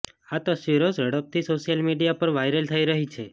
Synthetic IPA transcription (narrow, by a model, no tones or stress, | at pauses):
at̪əʃʋiɾosɾəɽəp̚t̪ʰisoʃijəlmiɖijapəɾʋajɾəlt̪ʰəiɾəɦit͡ʃʰe